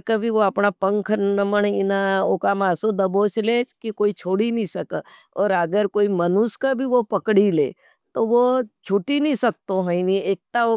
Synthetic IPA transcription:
kɐbʱiʋoɐpnapə̃ŋkʰnəməɳɪnaokamaːsod̪ɐbot͡ʃleːt͡ʃkikoːit͡ʃʰoːɽinĩsɐk | ɔːɾəɡəɾkoːimɐnʊskabʱiʋopɐkɽilḛː | t̪oʋot͡ʃʰʊʈinĩsɐk̚t̪oɦə̃inieːk̚t̪ao

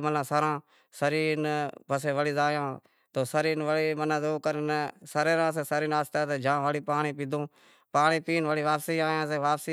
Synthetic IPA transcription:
mənãːsəɾãː | səɾiːnpəseːʋəɽiːzaːjãː | t̪oːsəɾiːnʋəliːmənãːzoːkəɾnsəɾeːɾãːseːsəɾiːnaːst̪aːt̪eːd͡ʒãːʋəɽiːpaːɳiːpiːd̪ʱõː | paːɳiːpiːnʋəɽiːʋaːpsiːaːjãːseːʋaːpsiː

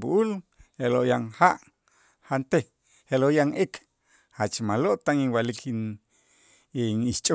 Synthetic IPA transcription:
buʔulheloʔjaŋhaʔ | hant̪e | heloʔjaŋek | hat͡ʃmaloʔt̪aŋiŋwaliki | iniʃt͡ʃʼ

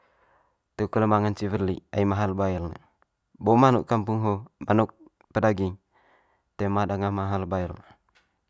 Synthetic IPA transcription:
t̪ukələmaŋant͡ʃivərlḭaimaɦalbailnə̰ | bomanuʔkːampuŋɦomanuk̚ | pədaɡiŋ | t̪emadaŋamaɦalbailna

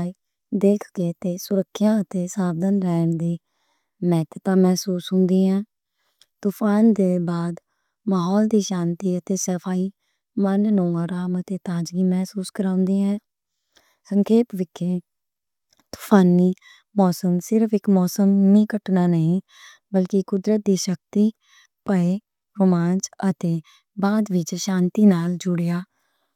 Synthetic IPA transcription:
iː | d̪eːkʰkeːt̪eːsʊɾəkʰːjãːət̪eːsaːbd̪ənɾɛːnd̪iː | mɛːt̪ət̪aːmɛːsuːsɦʊ̃nd̪iːɦɛ̃ː | t̪ʊːpʰaːnd̪eːbaːd̪ | maːɦɔːld̪iːʃãːnt̪iːət̪eːsəpʰaːiː | mənnõːaːɾaːmət̪eːt̪ãːd͡ʒɡiːmɛːsuːskəɾãːʊ̃nd̪iːɦɛ̃ː | səŋkʰeːpʋɪkʰːeː | t̪ʊ̥pʰaːniː | mɔːsəmsɪɾəfɪkmɔːsəmnĩːkəʈnaːnəɦĩː | bəlkɪkʊd̪ɾət̪̚d̪iːʃək̚t̪iː | pəeː | ɾʊmaːnd͡ʒət̪eː | baːd̪ʋɪt͡ʃʃãːnt̪iːnaːld͡ʒʊɽjaː

